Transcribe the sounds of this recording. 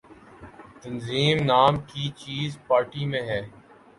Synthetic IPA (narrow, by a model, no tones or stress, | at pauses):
t̪ɐnziːmnaːmkit͡ʃiːzpaːɾʈimẽɦɛː